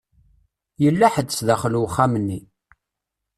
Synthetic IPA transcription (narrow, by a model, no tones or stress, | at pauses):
jəlːæħəd̪sðæχluwχːamənːi